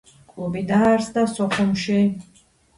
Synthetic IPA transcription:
kʼubid̪aaɾsd̪asɔχɔmʃi

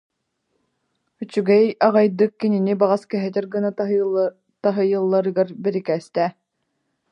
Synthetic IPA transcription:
yt͡ɕyɡɛjaʁɑjd̪ɯkːininibaʁaskɛɦɛt̪ɛɾɡɯna | t̪aɦɯjɯlˠːaɾɯɡaɾbɛɾikɛːst̪ɛ

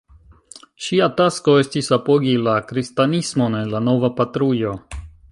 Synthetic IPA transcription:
ʃiatasko̞e̞stisapo̞ɡilakɾistanismone̞lano̞vapatɾujo̞

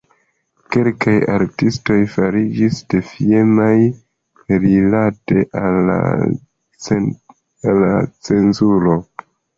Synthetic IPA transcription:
ke̞lkaja̰ɾtisto̞jfaɾid͡ʒisd̥e̞fiemaj | ɾilate̞ʔala̰ | alat͡se̞nzuɾo̞

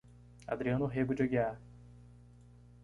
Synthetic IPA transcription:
a̰d̪ɾiɐ̃nʊɦeɡʊd͡ʒoɡia

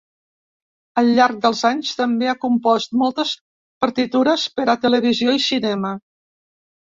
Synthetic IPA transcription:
əlʎːaɾk̚d̪əlˠzaɲst̪əmbeakumpɔst̪̚mɔlˠt̪əs | pəɾt̪it̪uɾəspəɾat̪ələβ̞izioisinɛmə

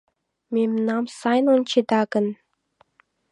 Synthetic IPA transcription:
memnɑmsɑjnonʲt͡ɕed̪ɑɡə̆n

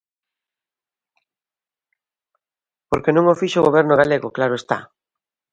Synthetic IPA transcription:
poɾkenũŋofiʃoʊɣoβɛɾnoɣaleɣoklaɾoest̪a̰

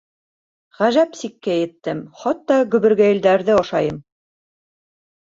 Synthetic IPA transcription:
ʁæʒæpsikːæjɘ̆t̪ːɘmχɑt̪ːɑɡɵ̆βɘ̆ɾɡæjɘ̆ld̪æɾðɘɑʃɑjɤm

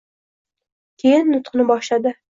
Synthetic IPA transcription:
kʲʰejɪnːʊt̪qʰɨnɪbɒʃlad̪ɪ

